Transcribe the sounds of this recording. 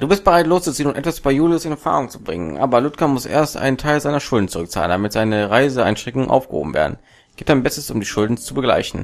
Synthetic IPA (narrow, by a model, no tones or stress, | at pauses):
d̥uːbɪst̚b̥əʁaɪtloːst͡sut͡siənʊntʔɛtv̥asybajuːljosɪnɛɐfa̰ːʁʊŋt͡su̥bʁɪŋə̰nʔa̰ːbɐlʊtkɐmʊsʔḛːɐstʔa̰ɪntʰaɪlzaɪnɐʃʊldn̩t͡suʁʏkt͡sa̰ːləndamɪtz̥aɪnəʁaɪzəaɪnʃtʁ̥ɛŋkʊŋənʔa̰ʊfɡ̥ə̰ho̰ːbm̩vḛːɐdn̩̥ | eːtd̥aɪnbɛstəsʊmdiːʃʊldn̩t͡subəɡla̰ɪçn̩